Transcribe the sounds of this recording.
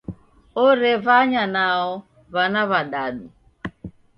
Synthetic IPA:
oɾevaɲanaʊ | βanaβadadu

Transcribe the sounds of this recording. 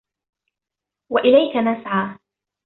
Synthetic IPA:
waʔɪlajkanasʕaː

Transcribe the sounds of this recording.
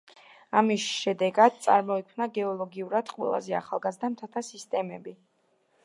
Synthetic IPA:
amisʃɛd̪ɛɡad̪̥̚t̪sʼa̰ɾmɔikʰmnaɡɛɔlˠɔɡiuɾad̪̥qʼwɛ̰lˠa̰zɛa̰χalˠɡazd̪amt̪ʰat̪ʰasist̪ʼɛmɛbi

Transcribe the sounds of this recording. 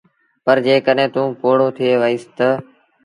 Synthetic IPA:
pəɾd͡ʒeːkəɗɦẽːt̪ũːpoːɽoːt̪ʰɪeːʋəiːst̪ə

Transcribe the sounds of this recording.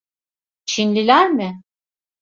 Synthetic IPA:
t͡ʃʰinlʲilʲæɾmɪ

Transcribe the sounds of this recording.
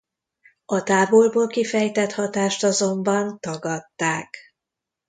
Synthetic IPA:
ɒt̪aːbolboːlkifɛjt̪ɛt̪hɒt̪aːʃt̪ɒzo̞mbɒnt̪ɒɡɒt̪ːaːk

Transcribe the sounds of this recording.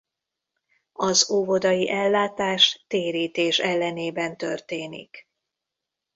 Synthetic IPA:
ɒzovo̞d̪ɒjiʔɛlːaːt̪aːʃt̪eːɾiːt̪eːʃɛlːɛneːbɛnt̪ørt̪eːnḭk

